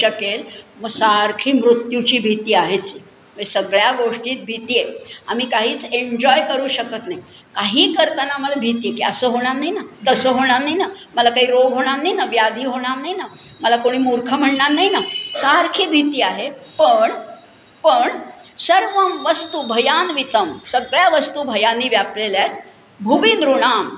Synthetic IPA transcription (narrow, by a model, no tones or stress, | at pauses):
əkelməɡsaɾkʰiːmɾut̪jut͡ɕiːbʱit̪iːaɦet͡si | məsəɡɭjaɡoʂʈiːt̪̚bʱit̪ieam̤iːkaɦiːt͡seɲd͡ʑɔjkəɾuːɕəkət̪naɦi | kaɦiːkəɾt̪ənaməlabʱit̪ijekiəsəːɦoɽ̃aɾnainat̪əsəɦoɽ̃aɾnaɦina | məlakaɦiːɾoɡʱɦoɽ̃aɾnainaʋjad̪ʱiːɦoɽ̃aɾnaɦinaməlakoɽ̃iːmuɾkʰəm̤əɳɳaɾnaɦinasaɾkʰiːbʱit̪jeaɦepəɳ | pəɳsəɾʋəmʋəst̪ubʱəjanʋit̪əmsəɡɭjaʋəst̪ubʱəjanːiːʋjapleljat̪ | bʱuʋind̪ɾuɽ̃am